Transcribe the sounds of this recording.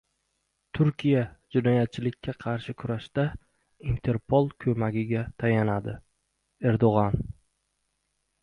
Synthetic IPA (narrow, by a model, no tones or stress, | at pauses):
t̪ʰʊɾkʲijad͡ʒɪnɒjat̪̚t͡ʃʰɪlɪkʲʰːaqʰɑɾʃɪkʰʊɾaʃt̪a | int̪ʰe̞ɾpʰolˠkʲʰɵmaɡʲɪɡʲat̪ʰajanad̪ɪ | e̞ɾd̪oʁɑn